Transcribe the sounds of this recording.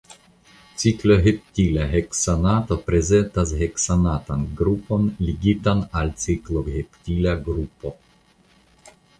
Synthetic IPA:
t͡sikloɦep̚t̪ʲilʲaɦeksanat̪opɾɛzɛnt̪asɦɛksanat̪anɡɾuponliɡit̪analt͡sikloɦɛptʲilaɡɾupo

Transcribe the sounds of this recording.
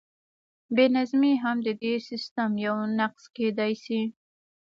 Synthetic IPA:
benazmiɦamd̪əd̪esɪst̪əmjawnaqz̥ked̪ajsi

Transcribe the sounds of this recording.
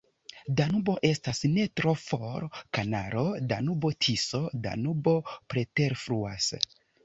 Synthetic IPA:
danubo̞ʔe̞stasne̞tɾo̞foɾkanaɾo̞danubo̞tʰiso̞da̰nubo̞pɾete̞ɾfɾuas

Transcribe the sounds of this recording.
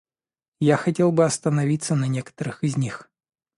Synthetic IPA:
jaxɐtʲe̞lˠbɨɐst̪ənɐvʲit̪sənɐnʲekə̥t̪əɾɨxɪzʲnʲix

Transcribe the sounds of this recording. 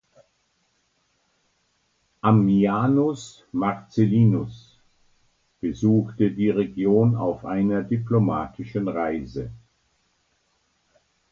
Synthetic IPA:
ʔamːiaːnʊs | maʁt͡seliːnʊs | b̥əzuːxtədiːʁeɡjoːna̰ʊfʔaɪnɐdiplomaːtʰɪʃənʁaɪzə

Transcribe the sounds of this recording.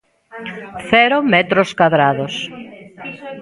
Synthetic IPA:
θɛɾomɛt̪ɾoskwaðɾaðos

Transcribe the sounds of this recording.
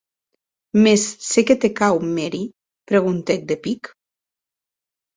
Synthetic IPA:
mesːeket̪ekawmeɾi | pɾeɣ̞unt̪ek̚d̪epik

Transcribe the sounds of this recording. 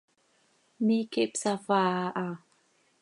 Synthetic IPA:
mikipsafaʔa

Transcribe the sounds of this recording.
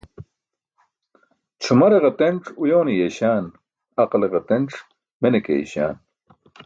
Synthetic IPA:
t͡ɕʰumɐɾeʁɐt̪eɳʈ͡ʂujoːnijeɕaːn | ɐqleʁet̪eɳʈ͡ʂ | menekḛḭɕa̰ːn

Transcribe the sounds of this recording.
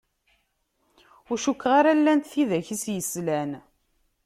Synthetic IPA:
ʊɾʃukːʁaɾalːænt̪θiðæçisjəslæn

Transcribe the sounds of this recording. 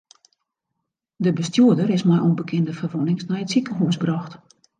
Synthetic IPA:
dəbəstjuədərɪsmɛjʔonbəkʰɪndəfərʋonɪŋsnɛjətsikəɦuːsbrɔxt

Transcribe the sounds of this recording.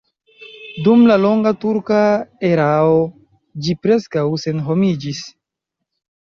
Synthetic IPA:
dumlalo̞ŋɡatuɾkaeɾao | d͡ʒipɾe̞skawse̞nɦo̞mid͡ʒis

